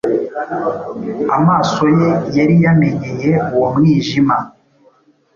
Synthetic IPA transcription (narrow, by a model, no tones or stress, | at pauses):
a̰maːso̞jejaɾijame̞ɲe̞je̞uwomŋiːʒima